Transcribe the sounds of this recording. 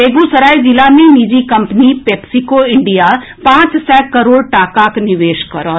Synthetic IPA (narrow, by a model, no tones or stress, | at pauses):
eːɡũsəɾaːjd͡ʒɪlaːmẽmid͡ʒikɐmpnipeːpsikoɪɳɖija | pãːt͡ʃsɛkəɾoːɽʈaːkaːknɪʋeːʃkəɾo